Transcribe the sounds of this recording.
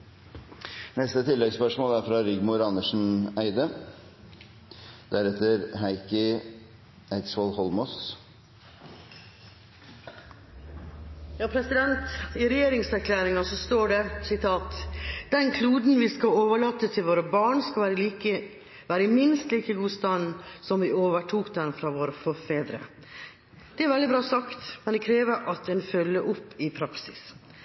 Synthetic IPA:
nɛst̪ət̪ʰɪlːɛɡspœʂmoːlæɾfɾɑɾɪɡmʊɾɑnəʂn̩æɪd̪ə | d̪̥æɾɛt̪ːəɾhæɪkə | ɛksɔlhɔlmɔs | jɑːpʰɾɛsɪd̪ɛnt̪ɪɾɛjeːɾɪŋsæɾkʰlæːɾɪŋɑsɔst̪oːɖɛsɪt̪ʰɑːt̪d̪̥ɛnkʰluːd̪n̩ʋiskɑloːʋəɭɑːt̪ːəst̪ʰɪlʋoːɾəbɑːɳskɑɾkə | ʋæːɾəɪmɪnst̪liːkəɡuːst̪ɑnsɔmʋɪoːʋəʈʰuːkd̪ɛnfɾɑːʋoːɾəfɔɾfeːd̪ɾə̰ | d̪̥ɛæɾʋɛld̪ɪbɾɑːsɑkt̪mɛnd̪ɛkʰɾeːʋəɾʔɑt̪ɛːnfœlːəʔʊpːɪpʰɾɑksɪs

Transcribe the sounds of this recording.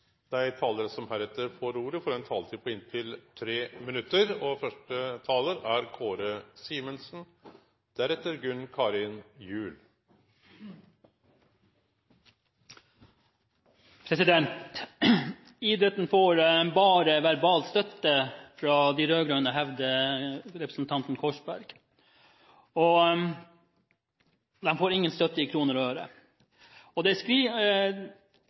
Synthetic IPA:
d̪̥æɪt̪ʰɑːləɾsɔmhæɾɛt̪ːəɾfoɾuːɾəfɔɾɔɛnt̪ʰɑːlt̪iːpʰɔɪnt̪ʰɪlt̪ʰɾeːmɪnʉt̪ːəɾɔfœʂʈət̪ʰɑːləɾæɾkʰoːɾəsiːmənsn̩ | d̪̥æɾɛt̪ːəɾɡʉnkʰɑːɾɪnjʉːl | pʰɾɛsɪd̪ɛnt̪ | iːd̪ɾət̪n̩foːɾnbɑːɾəʋæɾbɑːlt̪st̪œt̪ːəfɾɑd̪iɾøːɡɾøːnəɦɛʋd̪əɾɛpɾəsn̩t̪ʰɑnt̪n̩kʰɔʂbæɾɡ̥ | ɔ | d̪ɛmfoːɾɪŋːənst̪œt̪ːəɪkʰɾuːnəɾɔhøːɾə̰ | ɔd̪ɛskɾiː

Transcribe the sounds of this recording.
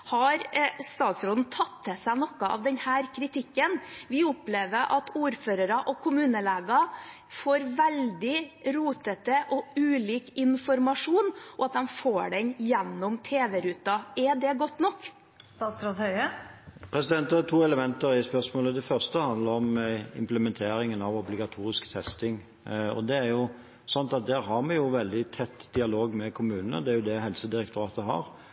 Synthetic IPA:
hɑɾst̪ɑːt̪sɾoːd̪n̩t̪ʰɑt̪ʰːɛsæɪnɔkːəʔɑ̰ʋd̪ɛnhæːɾkʰɾɪt̪ʰɪkːənʋɪʊpleːʋəɾʔɑ̰t̪ʰuːɾføːɾɑɾəʔɔkʰʊmʉːnəleːɡɑ | foːɾʋæld̪ɪɾuːt̪ət̪əʔɔʉːliːkɪnfɔɾmɑʂuːnʔɔɑt̪̚d̪ɛmfoːɖɛɲjɛnːɔmt̪ʰeːʋɛɾʉːt̪ɑɛd̪ɛɡɔt̪ːnɔkː | st̪ɑːt̪sɾoːt̪hœʏəpʰɾɛsɪd̪ɛnt̪ɑɑt̪ʰuːɛləmɛnt̪əɾæspœʁsmoːləd̪ɛfœʁst̪əhɑnd̪ləɾɔmɪ̰mpləmɛnt̪ʰeːɾɪŋənɑʋɔblɪɡɑt̪ʰuːɾɪskt̪ʰɛst̪ɪŋ | ɔ̰d̪ɛæɾjʊ | sɑnt̪ɑt̪̚d̪æːɾɦɑɾmɛjʊʋɛld̪ɪt̪ʰɛt̪ːd̪ɪɑloːɡmɛkʰʊmʉːnənə̰d̪ɛæɾjʊd̪ɛɦɛlsəd̪ɪɾɛkt̪ʊɾɑːt̪əɦɑ̰ɾ

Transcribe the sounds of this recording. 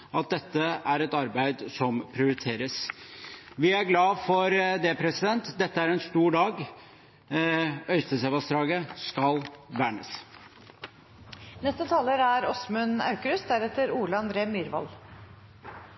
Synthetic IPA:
ɑt̪̚d̪ɛt̪ːəæɾɛt̪ɑɾbæɪd̪sɔmpʰɾɪʊɾɪt̪ʰeːɾəs | ʋɪæɾɡlɑːfɔɾd̪eːpʰɾɛsɪd̪ɛnt̪d̪ɛt̪ːəæɾɛnst̪uːɖɑːɡ | œʏst̪əsɛʋɑsd̪ɾɑːɡəskɑlʋæːɳəs | nɛst̪ət̪ʰɑːləɾæɾɔsmʉnɑ̰ʉkəɾʉsd̪æɾɛt̪ːəɾuːləɑnd̪ɾeːmyːɾʋɑ̰l

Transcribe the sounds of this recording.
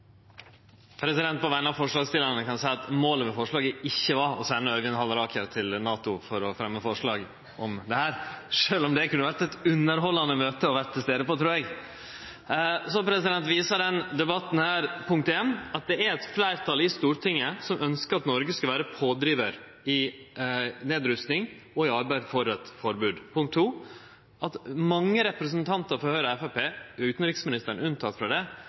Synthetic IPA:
pʰɾɛsɪd̪ɛnt̪̚pʰɔʋæɪnɑfɔʂɭɑːɡst̪ɪlənəkɑnsæɪɑt̪moːləmɛfɔʂɭɑːɡəɪçːəʋɑɾɔsænəœɾʋɪnhɑlɾɑːkʰəɾt̪ʰɪlnɑːt̪ʊfɔɾɔfɾɛmːəfɔʂɭɑːɡ | ɔmd̪ɛhæːɾʂøːlɔmd̪ɛkʰʉnːəʋæɾʈɛt̪ʉnːəɾhɔlːɑnəmøːt̪əɔʋæʈ̪ʰːɪlst̪eːd̪əpɔt̪ʰɾuːɾɛɡ | sɔpʰɾɛsɪd̪ɛnt̪ʋiːsɑɖ̪ɛnd̪ɛbɑt̪ːn̩hæːɾpʰʊŋkt̪ɛnɑt̪̚d̪ɛæɾɛt̪flæɪɾt̪ʰɑlɪst̪uːɾʈ̪ʰɪŋːəsɔmʔœnskəɾɑt̪nɔɾɡəskɑʋæːɾəpʰoːd̪ɾiːʋəɾ | ɪ | neːd̪ɾʉst̪nɪŋ | ɔɪɑɾbæɪd̪fɔɾɛt̪fɔɾbʉːd̪pʊŋkt̪ʰːuː | ʔɑt̪mɑŋːəɾɛpɾəsənt̪ʰɑnt̪əɾfɔɾhœʏɾəɛfæpeːʉːt̪n̩ɾɪksmɪnɪst̪əɾɳ̩ʉnt̪ʰɑt̪ːfɾɑd̪ɛ

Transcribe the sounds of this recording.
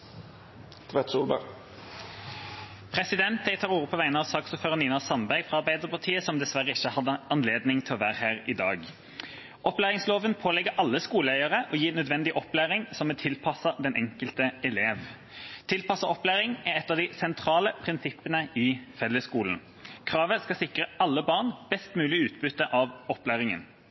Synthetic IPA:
t̪ʰʋɛt̪suːlbə̰ | pʰʁɛsɪd̪ɛnt̪̚d̪ɛɪt̪ʰɑːʁuːʁʊpʰɔʋæɪnəɑʋsɑːksuːføːʁəniːnɑsɑnbæɾɡfʁɑɑɾbæɪd̪əʁpʰɑt̪ʰiːəsɔmd̪ɛsʋæʁəɪçːəhɑd̪ːəɑnleːd̪nɪŋt̪ʰɪlɔʋæːʁhæːʁɪd̪ɑːɡ | ʔɔplæːʁɪŋsloːʋənpʰoːlɛɡəʔɑlːəskuːləœɪəʁəʔɔjiːnœd̪ʋɛnd̪ɪʔɔplæːʁɪŋsɔmɛt̪ʰɪlpʰɑsəd̪ɛnʔɛŋkəlt̪əɛleːʋ | t̪ʰɪlpɑsɑɔplæːʁɪŋæɾɛt̪ːɑʋd̪ɪsɛnt̪ʰɾɑːləpʰʁɪnsɪpːənəɪfɛlːəskuːln | kʰʁɑːʋəskɑsɪkʁəɑlːəbɑʁnb̥ɛst̪mʉːlɪʉːt̪bʉt̪ːəʔɑʋɔplæːʁɪŋə̰n

